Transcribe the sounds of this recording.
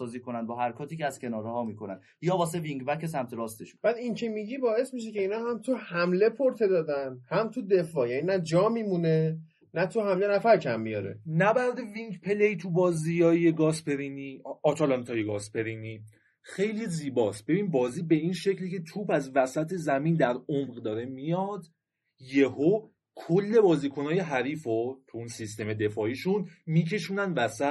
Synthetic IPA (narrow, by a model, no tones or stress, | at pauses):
ɒːziːkʰo̞nænd̪bɒːɦæɾkʰɒːt̪ʰiːceæz̥cʰe̞nɒːɾehɒːmiːkʰo̞næn | jɒːbɒːseviŋɟbæcesæmt̪ʰeɾɒːst̪eʃu̥b̥æd̪incʰe̞miɟibɒːe̞smiʃ̬ece̞iːnɒːɦæmt̪ʰuhæmle̞pʰoɾt̪ʰe̞d̪ɒːd̪ænhæmt̪ʰud̪e̞fɒːjæninæd͡ʒɒːmimune̞ | næt̪ʰuhæmle̞næfæɾcʰæmːijɒ̰ɾḛnæbæɾd̪eviŋɟpʰe̞leit̪ʰubɒːzijɒːjjeɡɒːspʰe̞ɾiniɒːt̪ʰɒːlɒnt̪ʰɒːjeɡɒːspʰe̞ɾiniː | xe̞jliziːbɒːsb̥e̞biːnbɒːziːbe̞inʃe̞clicʰe̞t̪ʰuːpæzvæsæt̪ʰe̞zæmiːnd̪æɾomʁd̪ɒːɾe̞mijɒːd̪ | je̞ho | kʰolːe̞bɒːziːkʰo̞nɒːje̞ɦæɾiːfot̪ʰuunsist̪e̞me̞d̪e̞fɒːiːʃunmiːcʰe̞ʃuːnænvæsæ